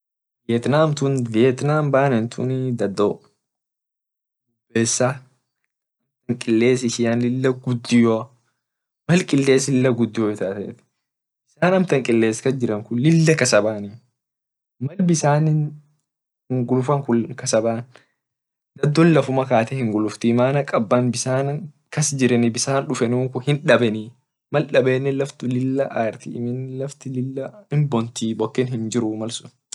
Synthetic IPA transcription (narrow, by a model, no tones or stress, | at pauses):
veːt̪naːmt̪ʊnveːt̪naːmbaːnɛnt̪ʰʊ̰nɪd̪ɐd̪ːo | ʊbeːsːa | ɐmt̪ɐŋkʼɪlːe̞ːsɪʃɪanlɪlːɐɡʊd̪ːɪjo | mɐlkʼɪlːe̞ːslɪlːɐɡʊd̪ːɪjoːɪt̪aːt̪ɐḛt̪ɪ̥ | ɪsaːnɐmt̪ɐŋkʼɪlːe̞ːskɐd͡ʒɪɾɐŋkʊnlɪlːɐkɐsɐbaːnɪ | mɐlbɪsaːn | hɪŋɡʊlʊfɐŋkʊlkɐsɐbaːn | d̪ɐd̪ːɔnlɐfʊmɐkaːt̪ɛhɪŋɡʊlʊft̪ɪmaːnɐkʼɐbːɐnbɪsaːnɐ | kɐsd͡ʒɪɾɛnɪbɪsaːnᶑʊfɛnuːŋkʊhɪnᶑɐbɛniː | mɐlᶑɐbeːnːɛlɐft̪ʊlɪlːɐʔaːɾt̪ɪmɪnlɐft̪ɪlɪlːɐhɪmbɔnt̪iːbɔkːɪnhɪnd͡ʒɪɾʊmɐlsʊ̥n